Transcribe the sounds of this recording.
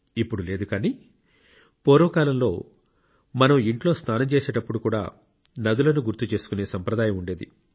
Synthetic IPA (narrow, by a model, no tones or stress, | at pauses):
ipːuɽule̞ːd̪ukaːniː | pɔːɾɐʋɐkaːlɐmlo̞ː | mɐnɐmiɳʈlo̞ːst̪ʰaːnɐmt͡ʃeːseːʈɐpːuɽukuːɽa̰ː | nɐd̪ulɐnuɡuɾt̪ːut͡ʃe̞ːsu̥kune̞ːsɐmpɾɐd̪aːjɐmuɳɖeːd̪ḭ